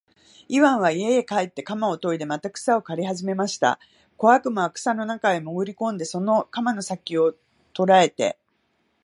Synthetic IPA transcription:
iβãɰ̃βaiejekaet̪ːe̞kamao̞t̪o̞id̪e̞mat̪akɯ̟̥sao̞kaɾʲiɦaʑime̞maɕi̥t̪a̰ | ko̞akɯ̟moakɯ̟̥sano̞nakaemo̞ɡɯ̟ɾʲikõ̞nd̪e̞so̞no̞kamano̞sakʲːio̞ | t̪o̞ɾae̞t̪e̞̰

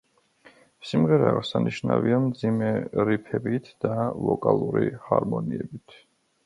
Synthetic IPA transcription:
simʁɛɾɛːʁsaniʃnaviamd̪zimɛɾipʰɛbit̪ʰd̪̥alɔkʼalˠuɾihaɾmɔniɛbit̪ʰ

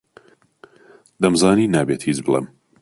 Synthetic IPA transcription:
d̪ɐmzɑːniːnaːbeːt̪hiːt͡ʃbɨlˠḛm

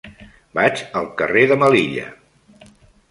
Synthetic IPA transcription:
bat͡ʃəlˠkəreðəməliʎə̰

